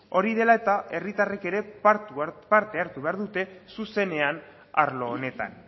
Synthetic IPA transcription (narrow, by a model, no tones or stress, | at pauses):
o̞ɾið̞e̞laet̪ae̞rit̪are̞ke̞ɾe̞pat̪upaɾt̪e̞aɾt̪uβe̞aɾðut̪e̞suse̞ne̞an | a̰ɾlo̞ːne̞t̪a̰n